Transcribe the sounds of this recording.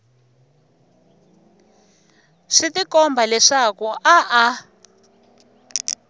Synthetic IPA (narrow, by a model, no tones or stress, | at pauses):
ʂitikɔmbʱalɛʂakuʔaʔa